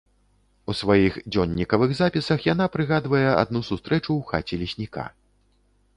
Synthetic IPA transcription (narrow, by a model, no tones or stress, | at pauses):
usvajixd͡zʲɔnʲːikɐvɨɣzapʲisɐxjanapɾɨɣad̪vɐjɛa̰d̪nusust̪ɾɛt͡ʂuwxa̰t͡sʲɛlʲisʲnʲika̰